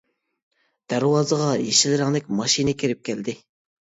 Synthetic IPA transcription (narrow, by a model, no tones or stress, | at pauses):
d̪̥æɾwɑːzəʁɑjeʃilɪɾɪŋlɪkʲmɑʃinɪkʲʰiɾɪp̚kʲæld̪ɪ